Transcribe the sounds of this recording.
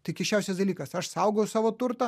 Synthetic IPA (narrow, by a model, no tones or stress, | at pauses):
t̪ɐɪkʲɛʃt͡ʃʲɛˑʊsʲɛsd̪ɐlʲiːkɐsɐʃsɐʊɡojʊsɑːʋoːt̪ʊɾt̪ɐ